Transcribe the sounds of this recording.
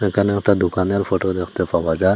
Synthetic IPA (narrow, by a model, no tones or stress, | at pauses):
ɛkʰanɛkʈad̪ukanaɾpʰoʈod̪ekʰt̪epabad͡ʒaɾ